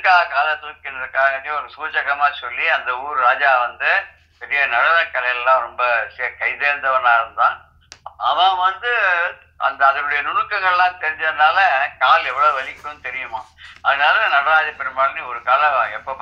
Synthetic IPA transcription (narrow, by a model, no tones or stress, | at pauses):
kaːkaːlɐt̪ukːɪnɐðɯkːaːɐdiɔɾɯsuːt͡ʃɐɣɐmaːsɔlːiɐnd̪ɐuːɾɯɾaːd͡ʒaːʋɐnd̪ɯ | pɛɾɪjɐnɐɽɐðɐkːɐlɐjɪlɛlːãːɾɔmbɐskɐɪðeːɾɯnd̪ɐʋɐnaːɾɯnd̪ãː | ɐʋãːʋɐnd̪ɯ | ʔɐ̰nd̪ɐːðɐnɯɽɐjɐnʊɳɯkːɐɣɐɭlãːt̪ɛɾɪɲd͡ʒɐðɯnaːlɐkaːlɛʋːɐɭoɯʋɐlɪkːʈːɯnːɯt̪ɛɾɪjɯmãːɐðɯnaːlɐnɐɽɐɾaːðɐpɛɾɯmaːɽɐniɔɾɯkaːlɐ̃ɛpːoːp